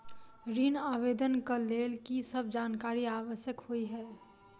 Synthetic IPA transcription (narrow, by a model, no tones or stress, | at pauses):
ɾinaːʋeːd̪ənkəleːlkisəb̚d͡ʒaːnkaːɾiaːʋəʃjəkhoiɦɛː